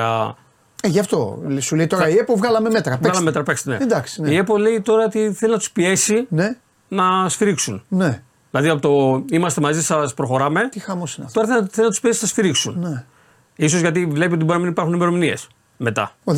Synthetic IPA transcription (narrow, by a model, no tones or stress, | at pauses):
ɐ̰ | eʝɐft̪o̰suleit̪oɾɐiepovɣɐlɐmemet̪ɾɐvɣɐlɐmemet̪ɾɐpeksned̪ɐksi̥niepole̞it̪o̞ɾɐot̪iθe̞linɐt̪u̥spie̞sine | nɐst̪iɾiksunne | ðilɐðiɐpo̞t̪oimɐst̪e̞mɐzisɐspɾo̞xo̞ɾɐme̞t̪ixɐmosinɐ̰ft̪o̞ɾɐθelθelinɐt̪uspie̞si̥ɐst̪iɾiksunne | iso̞zʝɐt̪ivle̞piot̪ibɾinɐminipɐɾxunime̞ɾo̞minie̞s | met̪ɐ̰o